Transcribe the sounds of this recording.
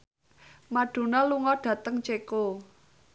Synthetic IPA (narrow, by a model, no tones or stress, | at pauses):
maɖ̥o̤nɔluŋɔɖ̥ä̤t̪əŋt͡ʃeko